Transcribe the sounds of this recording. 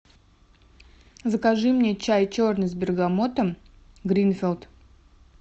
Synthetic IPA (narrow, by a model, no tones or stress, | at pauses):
zəkaʐɨmnʲet͡ɕajt͡ɕo̞rnɨszbʲɪrɡamot̪əm | ɡɾʲinfʲɪlˠt̪